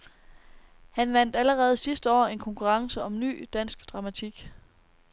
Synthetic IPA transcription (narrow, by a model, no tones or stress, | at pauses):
hænʋæn̰d̥æləʁɛːð̞̩ˠsisd̥əɒ̰ːe̝nkʰɒ̽ŋkʰuʁɑ̈ŋsəɒ̽mny̰ːd̥æn̰sɡ̥d̥ʁɑ̈mæt͡sʰiɡ̥